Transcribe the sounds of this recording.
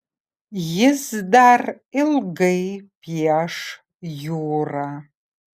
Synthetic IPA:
jɪzdar | ilɡejpʰjaʂ | juwra

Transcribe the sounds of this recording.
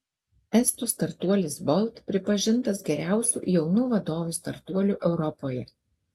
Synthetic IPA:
ɛst̪ʊst̪ɐɾt̪uɔlʲɪsbɔlˠt̪pʲɾʲɪpɐʒʲɪnt̪ɐsɡʲɛɾʲæˑʊsʲṵːjɛʊnuːʋɐd̪oːʋʲuˑst̪ɐɾt̪uɔlʲuːˑʔɛʊɾɔpoːjɛ

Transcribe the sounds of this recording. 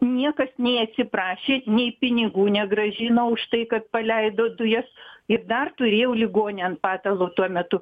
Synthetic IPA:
nʲiɛkɐsnʲɛɪɐt̪ʲsʲɪpɾɑːʃʲeːnʲɛɪpʲɪnʲɪɡuːnʲɛɡɾɐʒʲɪnoʊʃt̪ɐɪkɐt̪̚pɐlʲɛɪd̪oːd̪ʊjɛsɪrd̪ɐrt̪ʊɾʲeːjɛʊlʲɪɡoːnʲeɐnt̪pɑːt̪ɐlˠoːt̪uɔmʲɛt̪ʊ

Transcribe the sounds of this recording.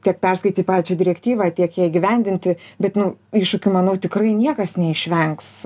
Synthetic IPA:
t̪ʲiɛk̚pʲɛrskɐɪt̪ʲiːpɑːʋʲzt͡ʃd͡ʒʲɛd̪ʲɪɾʲɛkt̪ʲiːʋɑːt̪ʲiɛkjiːɪɡʲɪʋʲɛnʲd̪ʲɪnʲt̪ʲɪbʲɛt̪nʊiːʃʃʊkʲʊmɐnɐʊt̪ʲɪkrɐɪnʲiɛkɐsnʲɛɪʃʲʋʲɛŋks

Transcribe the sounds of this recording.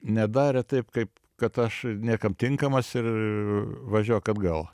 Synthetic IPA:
nʲɛd̪ɑːɾʲɛt̪ɐɪpkɐɪp | kɐt̪ɐʃnʲiɛkɐmt̪ʲɪŋkɐmɐsɪr | ʋɐʒʲuɔjkɐd̪ɡɐlˠ

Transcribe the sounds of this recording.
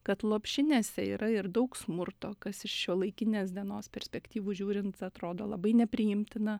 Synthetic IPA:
kɐt̪lˠoːpʲʃʲɪnʲeːsʲɛḭːɾɐɪɾd̪ɐʊksmʊɾtt̪oːkɐsɪʃʃʲoːlˠɐɪkʲɪnʲeːs̬d̪ʲiɛnoːspʲɛɾʲsʲpʲɛkt̪ʲiːʋuʒʲuːɾʲɪnt̪ɐt̪ɾoːd̪oːlˠɐbɐɪnʲɛpʲɾʲɪjɪmʲt̪ʲɪnɐ

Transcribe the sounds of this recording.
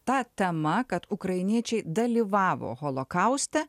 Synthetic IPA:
t̪ɑːt̪ʲɛmɐkɐt̪ʊkɾɐɪnʲiɛt͡ʃʲɛɪd̪ɐlʲiʋɑːʋo̰ːɣolˠokɐʊsʲt̪ʲɛ

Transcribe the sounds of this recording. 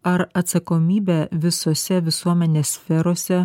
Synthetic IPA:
ɐɾɐt̪sɐkomʲiːbʲɛʋʲɪsoːsʲɛʋʲɪsuɔmʲɛnʲeːsʲsʲfʲɛɾoːsʲɛ

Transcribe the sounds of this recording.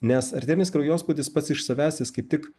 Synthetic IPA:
nʲɛsɐɾʲt̪ʲɛːɾʲɪnʲɪskɾɐʊjoːspuʊd̪ʲɪspɐt̪sɪʃsɐʋʲæːsʲt̪ʲɪskɐɪpt̪ʲɪk

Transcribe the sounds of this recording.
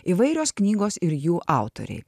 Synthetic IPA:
iːʋɐɪɾʲoːsknʲiːɡoːsɪɾjuːʔʔɑˑʊt̪o̰ɾʲɛ̰ɪ

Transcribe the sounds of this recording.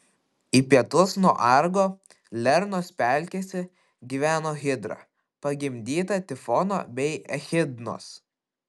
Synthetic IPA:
iːpʲiɛt̪ʊsnuɔʔɐɾɡoː | lʲɛɾnoːsʲpʲæˑlʲkʲeːsʲɪ | ɡʲiːʋʲæːnoːɣʲɪd̪ɾɑ̰ | pɐɡʲɪmʲd̪ʲiːt̪ɐt̪ʲɪfɔno̰ːbʲɛɪɛxʲɪd̪no̰s

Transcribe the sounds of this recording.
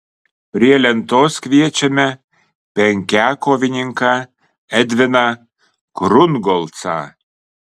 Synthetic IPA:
prʲiɛlʲɛnt̪oskvʲiɛt͡ʃʲɛmʲɛ | pʲɛŋʲkʲækovʲinʲiŋkɑ | ɛd̪ʲvʲɪnɑ | kɾunɡolˠt͡sɑ̰

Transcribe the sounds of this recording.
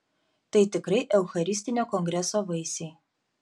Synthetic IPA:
t̪ɐɪt̪ʲɪkɾɐɪʔɛʊxɐɾʲɪsʲt̪ʲɪnʲoːkɔŋʲɡɾʲɛsoːʋɐɪsʲɛɪ

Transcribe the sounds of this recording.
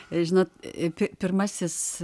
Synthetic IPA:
ʒʲɪnoːt̪pʲɪpʲɪrmɑsʲɪs

